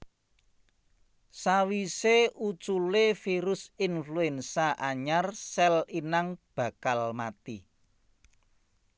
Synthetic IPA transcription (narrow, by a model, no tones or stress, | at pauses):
sawiseʔut͡ʃulefiɾʊsinfluɛnsaʔaɲarsɛlinaŋb̥ä̤kalmat̪i